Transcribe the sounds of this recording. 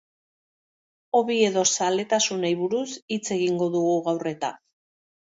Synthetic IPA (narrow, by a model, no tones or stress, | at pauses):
o̞βie̞ðo̞sale̞t̪asunajβuɾusit͡se̞ɣiŋɡo̞ðuɣuɣawre̞t̪a̰